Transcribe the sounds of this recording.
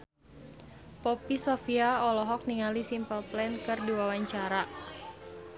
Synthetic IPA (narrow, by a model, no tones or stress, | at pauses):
pɔpisɔfiaɔlɔɦɔk̚niŋalisimpəlplɛnkɨrdiwawaɲt͡ʃaɾa